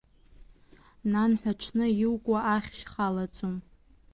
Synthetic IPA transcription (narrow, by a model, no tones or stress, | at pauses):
nanħʷᶣaʈ͡ʂʷʰnɨjɪwkʷʼaʔaχʲʃχalat͡sʼom